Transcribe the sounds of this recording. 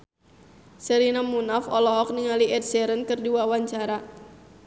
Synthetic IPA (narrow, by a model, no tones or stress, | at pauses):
səɾinamunafɔlɔɦɔk̚niŋaliʔɛt̪̚sɛɾənkɨrdiwawaɲt͡ʃaɾa